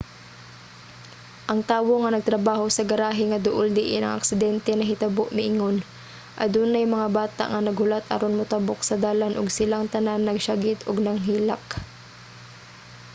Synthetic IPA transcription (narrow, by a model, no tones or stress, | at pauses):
ʔɐŋt̪aːwo̞ŋɐnɐɡ̚t̪ɾɐbaːho̞sɐɡɐɾaːɦɪŋɐd̪ʊʔold̪ɪʔɪnɐ̰ŋʔɐ̰ksɪd̪ɛnt̪ɛnɐɦɪt̪ɐboʔmɪʔɪŋon | ʔɐ̰d̪uːnajmɐŋabaːt̪a̰ʔŋɐnɐɡhʊlat̪ʔɐ̰ɾonmʊt̪ɐbok̚sɐd̪aːlanʔʊɡsɪlaŋt̪ɐnanːɐɡʃaɡɪt̪ʊɡnɐŋɦiːla̰k